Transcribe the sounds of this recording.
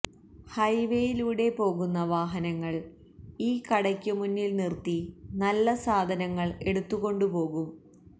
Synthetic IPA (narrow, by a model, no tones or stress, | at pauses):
hɐjʋe̞jiluːɽe̞po̞ːɣunːɐʋaːɦɐnɐŋːɐɭ | iːkɐɽɐkʲːumunːilnirt̪inɐlːɐsaːd̪ʱɐnɐŋːɐɭe̞ɽut̪ːuɣo̞ɳɖupo̞ːɣum